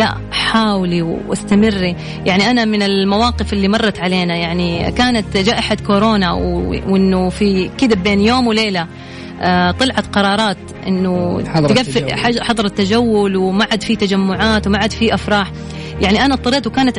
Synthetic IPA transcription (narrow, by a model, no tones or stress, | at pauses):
la̰ʔ | ħaːwliwʔa̰st̪amɪrːi | jaʕniʔanamɪnɪlmawɑːqɨfɪlːimɑrˤːɑt̪ʕaleːnajaʕnikaːnat̪d͡ʒaːʔɪħad̪kʊɾoːnawwʔɪnːʊfikɪd̪abeːnjoːmwleːla | t̪ˤɨlʕɑt̪qɑɾˤɑːɾˤɑːt̪ | ʔɪ̰nːʊɡafːħɑðˤɑɾˤɑt̪ːad͡ʒawːʊlwmaʕad̪fit̪ad͡ʒamːʊʕaːt̪wmaʕad̪fiʔafɾɑːħ | jaʕniʔanat̪ˤːɑɾiːt̪wkaːnat̪